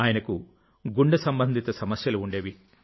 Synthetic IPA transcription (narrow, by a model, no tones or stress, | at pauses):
aːjɐnɐku | ɡuɳɖɐsɐmbɐnd̪ʱit̪ɐsɐmɐsjɐluːɳɖe̞ːʋi